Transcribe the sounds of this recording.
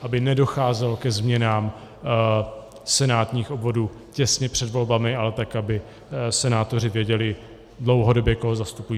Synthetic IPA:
ʔabɪnɛdo̞xaːzɛlkɛzmɲɛnaːm | sɛnaːt̪ɲiːxobvo̞duː | cɛsɲɛpr̝̥ɛdvo̞lbamɪalɛt̪akabɪ | sɛnaːt̪o̞r̝ɪvjɛɟɛlɪ | dlo̞wɦo̞do̞bjɛko̞ɦozast̪upujiː

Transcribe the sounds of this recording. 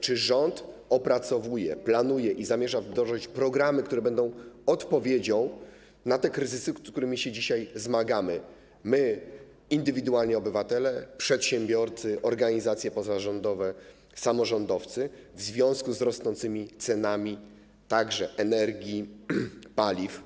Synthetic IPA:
t͡ʂɘʐɔnt̪ | ɔpɾat̪sɔvujɛplanujɛʔizamʲjɛʐazd̪ɾɔʐɨt͡ɕpɾɔɡɾamɘkt̪uɾɛbɛnd̪ɔ̃w̃ɔt̪pɔvʲjed͡ʑɔ̃w̃ | nat̪ɛkɾɘzɘsɘk̪t̪uɾɘmʲiɕɛd͡ʑiɕajzmaɡamɘ | mɘ | ind̪ɘvʲid̪ualɲɛɔbɘvat̪ɛlɛpʂɛt̪ɕɛmbʲjɔɾt̪sɘʔɔɾɡaɲizat̪sʲjɛpɔzaʐɔnd̪ɔvɛ | samɔʐɔnd̪ɔft̪sɘvzvʲjɔ̃w̃skuzɾɔsnɔnt̪sɘmʲit̪sɛnamʲi | t̪aɡʐɛʔɛnɛɾɡʲi | palʲif

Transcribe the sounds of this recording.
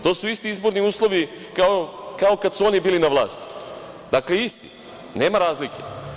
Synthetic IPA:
t̪o̞ːsuist̪iizbo̞ɾniuːslˠo̞ʋikaokao̞kad̪suo̞nibiːlinaʋlˠa̰ːst̪i̥ | d̪akleist̪i̥̰ | ne̞ːmaɾaːzlikḛ

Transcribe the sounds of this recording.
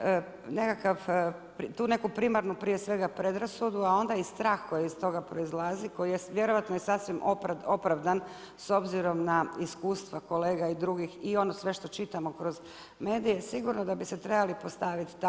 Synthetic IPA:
ne̞kakaʋ | pɾt̪uːne̞kupɾimaɾnupɾijesʋe̞ɡapɾe̞d̪ɾasud̪uao̞nd̪aist̪ɾaːxko̞jiist̪o̞ɡapɾo̞izlˠaziko̞jijeʋje̞ɾoʋat̪nojesasʋimoo̞pɾaʋd̪an | so̞bziɾo̞mnaiskuːst̪ʋako̞le̞ːɡaid̪ɾuɡixio̞nosʋe̞ʃt̪o̞t͡ʃit̪amo̞kɾo̞z | me̞ːd̪ijesiɡuɾno̞d̪abiset̪ɾe̞balipo̞st̪aʋit̪t̪a

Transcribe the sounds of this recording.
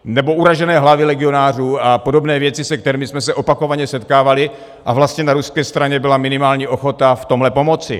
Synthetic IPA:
nɛbo̞ʔuɾaʒɛnɛːɦlavɪlɛɡɪo̞naːr̝uːapo̞do̞bnɛːvjɛt͡sɪsɛk̚t̪ɛɾiːmɪsmɛsɛʔo̞pako̞vaɲɛsɛt̪kaːvalɪ | ʔavlast̪ɲɛnaɾuskɛːst̪ɾaɲɛbɪlamɪnɪmaːlɲiːʔo̞xo̞t̪aft̪o̞mɦlɛpo̞mo̞t͡sɪ̰

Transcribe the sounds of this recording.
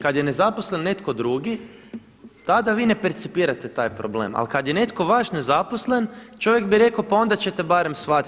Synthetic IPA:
kad̪jene̞zaposlenːe̞t̪ko̞d̪ɾuːɡi | t̪ad̪aʋiːne̞peɾt̪sipiːɾat̪et̪aːjpɾoble̞̰ːma̰lkad̪jene̞t̪ko̞ʋaʃne̞zaposle̞nt͡ʃo̞ʋjeɡbiɾe̞kaopao̞nd̪at͡ɕe̞t̪ebaːɾe̞msʋat̪i

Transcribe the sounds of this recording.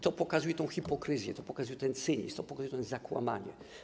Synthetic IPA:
t̪ɔpɔkazujɛt̪ɔ̃w̃xipɔkɾɘzʲjɛ̰t̪ɔpɔkazujɛt̪ɛnt̪sɘɲḭst̪ɔpɔkazujɛt̪ɔ̃zakwa̰ma̰ɲɛ̰

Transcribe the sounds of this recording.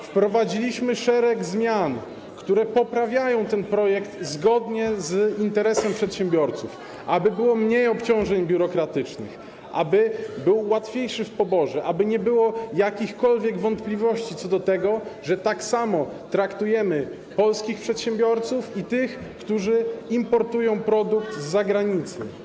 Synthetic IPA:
fpɾɔvad͡ʑilʲiɕmɘʂɛɾɛɡzmʲjan | kt̪uɾɛpɔpɾavʲjajɔ̃w̃t̪ɛnpɾɔjɛkt̪zɡɔd̪ɲɛzint̪ɛɾɛsɛmpʂɛt̪ɕɛ̃mbʲjɔɾt̪suf | ʔabɘbɘwɔmɲejɔpt͡ɕɔ̃w̃ʐɛɲbʲjuɾɔkɾat̪ɘt͡ʂnɘ̰x | ʔa̰bɘbɘwːat̪fʲjejʂɘfpɔbɔʐɛʔabɘɲɛbɘwɔjakʲixkɔlvʲjɛɡvɔnt̪plʲivɔɕt͡ɕit̪sɔd̪ɔt̪ɛɡɔʐɛt̪aksamɔt̪ɾakt̪ujɛmɘ | pɔlskʲixpʂɛt̪ɕɛmbʲjɔɾt̪sufit̪ɘxkt̪uʐɘimpɔɾt̪ujɔ̃w̃pɾɔd̪ukt̪zzaɡɾaɲit̪sɘ̰

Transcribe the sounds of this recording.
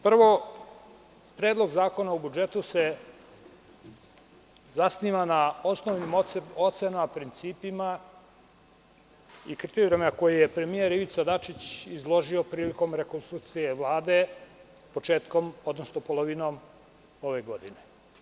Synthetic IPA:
pr̩ʋo̞ | pɾe̞ːd̪lˠo̞ɡzaːko̞naubud͡ʒe̞t̪use | zasniʋanao̞snoʋnimo̞t̪senamapɾint̪siːpima | ikɾit̪eɾemeako̞jijepɾe̞mije̞ɾiʋit̪sad̪at͡ʃit͡ɕizlˠo̞ʒio̞pɾiːliko̞mɾe̞konst̪ɾuk̚t̪sijeʋlˠaːd̪e̞ | po̞t͡ʃe̞ːt̪ko̞mod̪nosnopo̞lˠoʋinoːm | o̞ʋe̞ɡo̞d̪ine̞

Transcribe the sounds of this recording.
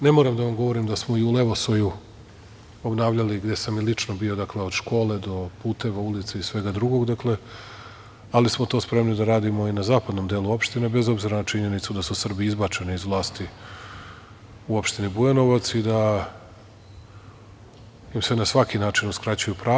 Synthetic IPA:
ne̞mo̞ɾamd̪aʋamɡo̞ʋo̞ɾimd̪asmo̞iule̞ʋosoju | o̞bnaːʋʎaliɡd̪e̞samilit͡ʃno̞bio̞d̪akle̞od̪ʃko̞ːle̞d̪o̞puːt̪e̞ʋaulit̪seisʋe̞ɡad̪ɾuɡo̞ɡd̪akle̞ | alismo̞t̪o̞ːspɾe̞mnid̪aɾaːd̪imo̞inazaːpad̪no̞md̪eːlˠuo̞pʃt̪ine̞be̞zo̞bziɾanat͡ʃiɲe̞nit̪sud̪asusr̩biizbat͡ʃe̞niizʋlˠaːst̪i | uo̞pʃt̪inibueno̞ʋat̪sid̪a | jimsenasʋakinaːt͡ʃinuskɾat͡ɕujupɾaː

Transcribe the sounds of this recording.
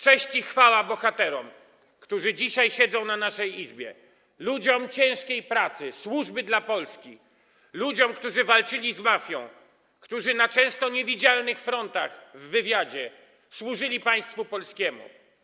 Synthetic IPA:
t͡ʂɛɕt͡ɕixfawabɔxat̪ɛɾɔm | kt̪uʐɘd͡ʑiɕajɕɛd̪zɔ̃w̃nanaʂɛjizbʲjɛ̰ | lud͡ʑɔmt͡ɕɛ̃w̃ʂkʲejpɾat̪sɘswuʐbɘd̪lapɔlskʲi | lud͡ʑɔmkt̪uʐɘvalt͡ʂɘlʲizmafʲjɔ̃w̃ | kt̪uʐɘnat͡ʂɛ̃w̃st̪ɔɲɛvʲid͡ʑalnɘxfɾɔnt̪axvːɘvʲjad͡ʑɛ | swuʐɘlʲipaj̃st̪fupɔlskʲɛmṵ

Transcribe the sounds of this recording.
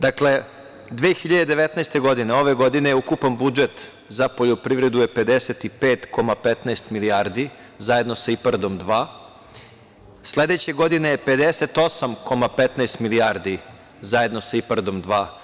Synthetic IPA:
d̪akle̞ | d̪ʋeːxiʎad̪e̞d̪eʋet̪nɛjst̪e̞ɡo̞d̪ineo̞ʋe̞ɡo̞d̪ine̞jeukupanbud͡ʒet̪ | zapo̞ʎopɾiʋɾe̞d̪uje̞pe̞d̪eset̪ipeːt̪ko̞mapet̪naest̪miliaɾd̪i | zaje̞d̪no̞saipaɾd̪o̞md̪ʋaː | sle̞d̪e̞t͡ɕe̞ɡo̞d̪ine̞jepe̞d̪ese̞t̪o̞samkʰo̞mapet̪najst̪miliaɾd̪i | zaje̞d̪no̞saipaɾd̪o̞md̪ʋaː

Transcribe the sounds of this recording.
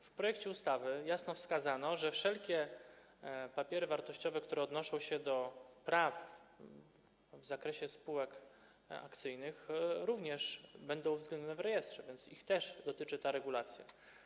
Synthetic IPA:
fpɾɔjɛkt͡ɕɛust̪avɘjasnɔfskazanɔʐɛfʂɛlkʲɛ | papʲjɛɾɘvaɾt̪ɔɕt͡ɕɔvɛkt̪uɾɛɔd̪nɔʂɔ̃w̃ɕɛd̪ɔpɾaf | vzakɾɛɕɛspuwɛk | a̰kt̪sɘjnɘxɾuvɲɛʂbɛnd̪ɔ̃w̃vzɡlɛnd̪ɔnɛvɾɛjɛst̪ʂɛvʲjɛnt̪sixt̪ɛʐd̪ɔt̪ɘt͡ʂɘt̪aɾɛɡulat̪sʲja̰

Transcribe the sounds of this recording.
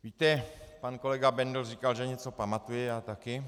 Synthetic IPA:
viːt̪ɛpanko̞lɛɡabɛndl̩riːkalʒɛɲɛt͡so̞pamat̪ujɪjaːt̪akɪ

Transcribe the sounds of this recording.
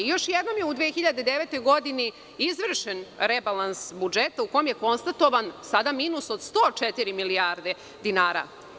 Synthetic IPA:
jo̞ʃjed̪no̞mjeud̪ʋeːxiʎad̪e̞d̪eʋeːt̪o̞jɡo̞d̪ini | izʋr̩ʃenɾebalˠansbud͡ʒet̪auko̞jomjeko̞nst̪at̪o̞ʋansad̪amiːnuso̞d̪st̪o̞ːt͡ʃet̪iɾimiliaːɾd̪e | d̪inaːɾa̰

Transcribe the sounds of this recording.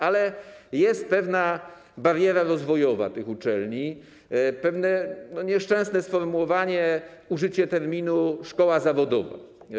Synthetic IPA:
alɛjɛst̪̚pɛvna | baɾjɛɾaɾɔzvɔjɔva̰t̪ɘxut͡ʂɛlɲi | pɛvnɛnɔɲɛʂt͡ʂɛ̃w̃snɛsfɔɾmuwɔvaɲɛuʐɘt͡ɕɛt̪ɛɾmʲinuʂkɔwazavɔd̪ɔ̰va̰

